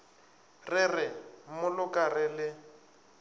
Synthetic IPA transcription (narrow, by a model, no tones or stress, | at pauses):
rɪrɪmʊlʊkʼarɪlɪ